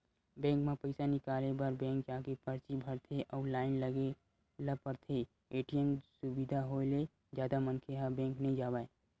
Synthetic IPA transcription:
bɛ̃ːŋkmẽpəɪsanɪkaːlebəɾbɛ̃ːŋkd͡ʒaːkepəɾt͡ʃibʱəɾt̪ʰeʔɔːɾlaːɪnləɡe | ləpəɾt̪ʰe | eːʈiəmsʊbid̪ʱaɦole | d͡ʒjaːd̪amənkʰeɦabɛ̃ːŋknəɦĩd͡ʒaːbae

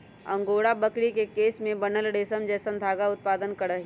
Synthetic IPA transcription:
ɐ̰̃ŋɡoːɽabəkɽikekeːsmẽbɐnəlɽeːsəmd͡ʒɛːsə̃nd̪ʱaːɡaʊt̪̚paːd̪ənkəɽəɦi

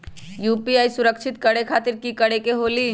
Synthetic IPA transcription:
juːpiaːisʊɾəkt͡ʃʰɪt̪kəɽekʰaːt̪ɪɾkikəɽekeɦoːli

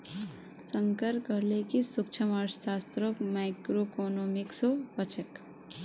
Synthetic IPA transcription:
səŋkəɾkʌɾlekisuk̚t͡ʃʰəmaɾsast̪ɾokmajkɾokonomiksopʌt͡ʃʰek

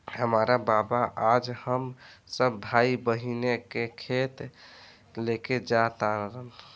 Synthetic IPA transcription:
həmaɾababaʔad͡ʒhəmsəbbʱaibəɦinekekʰet̪ | leked͡ʒat̪aɾəɦəl

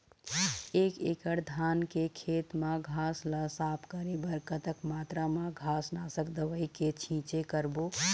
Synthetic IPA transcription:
eːkekəɽd̪ʱaːnkekʰeːt̪mãɡʱasləsaːpʰkəɾebəɾkət̪əkmaːt̪ɾamãɡʱaːsnasəkd̪əʋəjket͡ʃʰĩt͡ʃekəɾbo

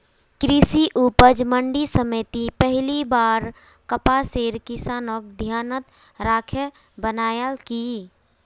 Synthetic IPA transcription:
kɾisiʔuːpəd͡ʒməɳɖisəmet̪ipəɦɪlibaːɾ | kəpaseːɾkɪsaːnok̚d̪ʱjaːnət̪ | ɾaːkʰə | bənaːjəlki

